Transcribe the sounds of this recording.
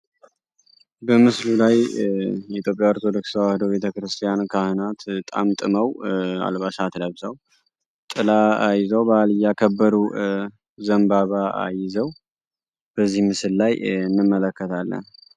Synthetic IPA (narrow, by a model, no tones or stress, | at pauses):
bəmɨslulajjɛit̪jo̞pʼjawɾt̪ʰod̪oksəwahɨd̪oβe̞t̪ʰəkɾɨst̪ʰʼijankʰahɨnat̪t̪ʼa̰mt̪ʼɨməwa̰lβaʃat̪ʰləβzaw | t̪ʼɨlaajɪzəwbaːlɨjakʰəbːəɾu | zəmbaβaa̰jɪzəw | b̥əzːihmɨsɨlːajɨnːɨmːələkːət̪ʰalːə̰n